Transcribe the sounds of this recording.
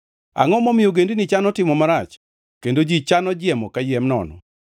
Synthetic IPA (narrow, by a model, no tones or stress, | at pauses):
a̰ŋɔmɔmɪjoɡendinit͡ʃanɔtɪmɔmaɾat͡ʃ | kendod͡ʒit͡ʃanɔd͡ʒɪɛmɔkajɛmnɔ̰nɔ̰